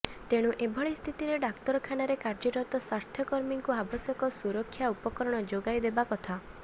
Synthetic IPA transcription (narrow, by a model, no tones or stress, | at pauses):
t̪eɽ̃ũʔebʱɔɭist̪ʰit̪iɾeɖakt̪ɔɾɔkʰanaɾekaɾd͡ʒiɾɔt̪ɔswaɾt̪ʰjɔkɔɾmiŋkuabɔsjɔkɔsuɾɔkʰːjaupɔkɔɾɔɽ̃ɔd͡ʒoɡajd̪ebakɔt̪ʰa